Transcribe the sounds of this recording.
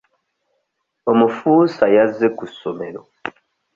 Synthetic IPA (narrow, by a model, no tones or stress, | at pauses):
omufusajazekusomelo